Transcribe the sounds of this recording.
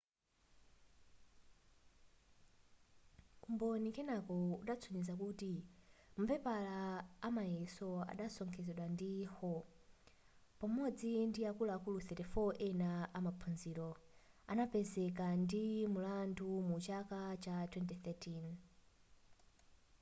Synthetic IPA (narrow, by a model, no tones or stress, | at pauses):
kumbɔnikɛnakɔuɗat͡sʰuɲizakutim̩pɛpalaːmajɛsɔa̰ɗasɔŋkʰɛzɛɗwandihɔ | pamɔd͡zindiakulaːkuluθɛtɛfɔʔɛnaʔamapʰunzilɔ | a̰napɛzɛkandimulandumut͡ʃakat͡ʃatwɛntiθɛtin